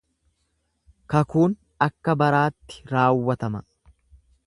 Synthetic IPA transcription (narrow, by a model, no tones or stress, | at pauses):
kɐkuːn | ɐkːɐbɐɾaːt̪ːɪ̥ɾaːwːɐt̪ɐmɐ